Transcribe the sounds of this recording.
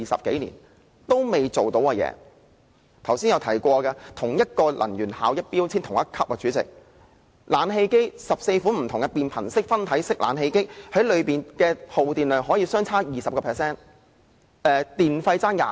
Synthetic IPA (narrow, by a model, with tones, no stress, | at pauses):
i˨sɐ̰˨p̚ke˨˥jnḭ˨˩n | t̪o˥wme˨jt͡so˨wt̪o˨˥wa˧jɛ̰ː˨˧ | t̪ʰɐ˨˩wsiː˥njɐ˨˧wt̪ʰɐ˨˩jkʷɔː˧kɐ˧t̪ʰʊ˨˩ŋjɐ˥t̚kɔː˧lʔɐ̰˨˩njyː˨˩nhaː˨˧wjɐ˥t̚piː˥wt͡sʰiː˥nt̪ʰʊ˨˩ŋjɐ˥t̚kʰɐ˥p̚wɐ˨˩t͡ʃyː˨˥t͡sɪ̰˨k̚ | laː˨˧nɦe˧jke˥jsɐ˨p̚se˧jfuː˨˥m̩˨˩t̪ʰʊ˨˩ŋkɐɛ˧piː˨npʰɐ˨˩nsɪ˥k̚fɐ˥nt̪ʰɐ˨˥jsɪ˥k̚lʔa̰ː˨˧nɦe˧jkɪ˥k̚hɐ˨˥jlɵ˨˧ɥpiː˨˩nkɛː˧ho˨wt̪iː˨˩nlœː˨ŋɦɔː˨˥jiː˧sœː˥ŋt͡sʰaː˥jiː˨˩sɐ˨p̚kɔː˧pʰɛː˨ksɛː˥n | ɛː˨˧t̪iː˨nfɐ˧jt͡saː˥nja̰ː˨